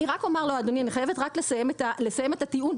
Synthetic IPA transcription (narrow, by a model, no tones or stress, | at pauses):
iʁakomaʁload̪onianiχajevet̪ʁaklesajemet̪ale̞sajemet̪at̪iun